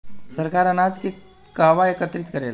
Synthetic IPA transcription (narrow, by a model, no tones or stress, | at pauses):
səɾkaɾənad͡zke | kaʋaekət̪ɾit̪kəɾel